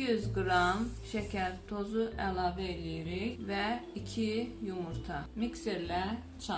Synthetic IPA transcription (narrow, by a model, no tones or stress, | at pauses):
jyzɡɾɑmʃæcʰæɾt̪ʰo̞zuʔælˠɑːvɛelijiɾiçvæicʰijumuɾt̪ʰɑmikseɾlæ | t͡ʃʰɑ